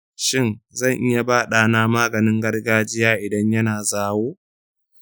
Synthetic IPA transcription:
ʃɪ˦nzɐ˦˨ŋʔɪ˦ja˨baː˦ɗaː˨naː˦maː˦ɡɐ˨nɪ˦ŋɡɐ˦rɡaː˦d͡ʒɪ˦jaː˦ʔɪ˨dɐ˦ɲjɐ˦naː˨zaː˦woː˦

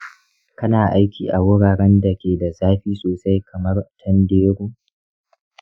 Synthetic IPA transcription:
kɐ˦naː˨ʔa˦jkʲiː˨ʔa˨wʊ˦ɽaː˨ɽɛ˦nda˨kʲeː˨da˨zaː˦ɸiː˦soː˨sa˦jkʰɐ˨mɐ˦rtʰɐ˦ndeː˦ɾuː˦

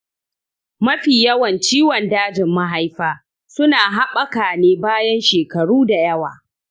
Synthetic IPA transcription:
mɐ˦ɸiː˨jɐ˦wɐ˨nt͡ʃiː˦wɔ˨ndaː˦d͡ʒɪ˨mːɐ˦ɦa˦jɸaː˦ | sʊ˦naː˨ɦa˦ɓɐ˦kaː˨neː˦baː˦jɐ˦nʃeː˨kɐ˨ɽuː˦da˨jɐ˦wa̰ː˨

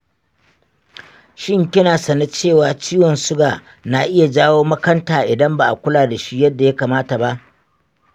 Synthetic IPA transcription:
ʃɪ˦ŋkʲɪ˦naː˨sɐ˨na˦t͡ʃeː˦˨waː˨t͡ʃiː˦wɔ˨nsʊ˦ɡaː˨ | na˨ʔɪ˦ja˨d͡ʒaː˦woː˦mɐ˦kɐ˦ntaː˨ʔɪ˨dɐ˦mba˨ʔa˨kʷʊ˦laː˨da˨ʃi˦jɐ˦dːa˨ja˦kaː˨maː˦ta˨ba˦ʔ

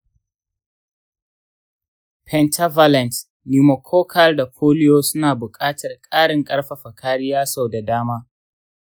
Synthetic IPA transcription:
pʰɛ˨ntʰa˦va˦lɛ˨nt | ji˦mɐ˨kʰoː˦kʰa˦rda˨kʰoː˦lɪ˦joː˦sʊ˦naː˨bʊ˨kʼaː˦tʰɐ˨rkʼaː˦ɽɪ˨ŋkʼɐ˦ɽɸa˨ɸɐ˨kʰaː˦ɽɪ˦jaː˦sa˦˨wda˨daː˦maː˦

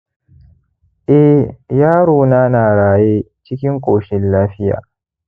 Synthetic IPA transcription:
ʔɛ˦hjaː˦ɽoː˨naː˦naː˨ɽaː˨jeː˦t͡ʃɪ˦kʲɪ˦ŋkʷʼoː˨ʃɪ˦nlaː˦ɸɪ˦ja̰ː˨

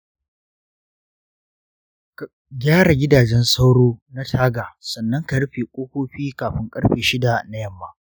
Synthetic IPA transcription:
ɡʲaː˦ɽa˨ɡʲɪ˦daː˨d͡ʒɛ˦nsa˦wɽoː˦na˦tʰaː˦ɡa˨sɐ˨nːɐ˦ŋka˨˦ɸeː˨kʷʼoː˦kʷoː˦ɸiː˦kaː˨ɸɪ˦ŋkʼɐ˦ɽɸeː˨ʃɪ˦da˨na˦jɐ˦mːa˦

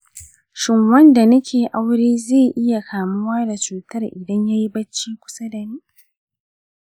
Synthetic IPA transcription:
ʃɪ˨ŋwɐ˦nda˨nɐ˦kʲʰeː˨ʔa˦wɽeː˦zeː˦˨ʔɪ˦ja˨kʰaː˨mʊ˦waː˦da˨t͡ʃuː˨tɐ˦rʔɪ˨dɐ˦ɲja˦ji˦bɐ˦t͡ʃːiː˦kʷʊ̥˦sa˦da˨niː˦

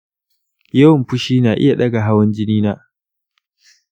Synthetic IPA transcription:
jɐ˦wɐ˨mɸʊ˦ʃiː˦naː˨ʔɪ̰˦ja˨ɗɐ˦ɡa˨ɦa˦wɐ˦nd͡ʒɪ˦niː˦naː˦

